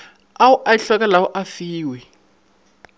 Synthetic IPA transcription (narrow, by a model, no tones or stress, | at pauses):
awuʔaiɬɔk̬ʼalawuʔafiːwɛ